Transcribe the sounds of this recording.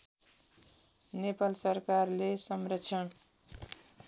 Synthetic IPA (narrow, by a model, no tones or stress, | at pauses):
nepalsʌrkarlesʌmrʌt͡sʰʌn